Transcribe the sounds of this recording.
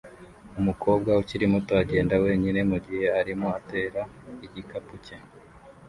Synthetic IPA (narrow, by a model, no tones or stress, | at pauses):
umuko̞ːb̚ɡwauciɾimutoaɟe̞ːndawe̞ːɲine̞muɟihe̞aɾimoate̞ːɾa | iɟikapuce